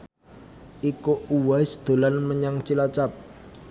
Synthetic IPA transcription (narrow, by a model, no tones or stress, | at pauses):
ʔikuuwaɪsd̪̥o̤lanməɲaŋt͡ʃilat͡ʃap̚